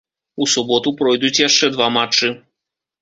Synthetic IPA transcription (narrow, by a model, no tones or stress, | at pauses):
usubɔt̪upɾɔjd̪ut͡sʲjaʂt͡ʂɛd̪vamat͡ʂːɨ